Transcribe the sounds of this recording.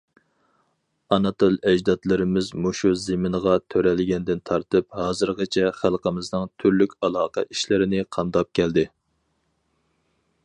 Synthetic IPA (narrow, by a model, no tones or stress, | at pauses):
ɑnɑt̪olˠɛd͡ʒd̪ɑt̪lˠɨɾɪmɪzmoʃuzemɪnəʁɑt̪ʰøɾɛlɡʲɛnd̪ɪnt̪ʰɑɾt̪ɨp̚hɑːzɨɾʁət͡ʃʰɛχælˠqəmɪznɨŋt̪ʰyɾlykʲɑlˠɑːqɑ̰ʔiʃlɪɾɪnɪqʰɑmd̪ɑp̚kʲʰɛld̪ɪ